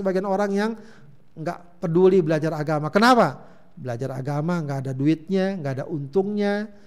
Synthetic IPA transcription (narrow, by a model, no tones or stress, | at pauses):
əbaɡianoɾaŋjaŋ | ŋɡa̰ʔpərdulibəlad͡ʒaɾaɡamakənapa | bəlad͡ʒaɾa̰ɡamaŋɡaːdaduɪt̪̚ɲaŋɡaːdaʔunt̪ʊŋɲa